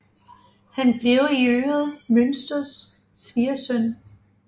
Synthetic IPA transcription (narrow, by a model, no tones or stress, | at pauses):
hænb̥le̝ʊiøːɐð̩ˠmønsd̥ɐsː | ʋiːɐsœn